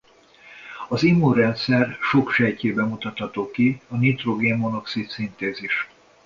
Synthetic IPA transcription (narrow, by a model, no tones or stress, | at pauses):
ɒzimːuɾɛnt̪sɛrʃo̞kʃɛjceːbɛmut̪ɒt̪hɒt̪oːkiɒnit̪roɡemono̞ksit̪sint̪eːziʃ